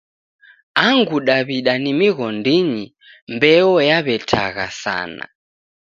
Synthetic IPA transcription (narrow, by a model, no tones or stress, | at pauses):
aŋɡuɗaβiɗanimiɣɔndiɲi | mbɛɔjaβɛtʰa̰ɣa̰sa̰ːna̰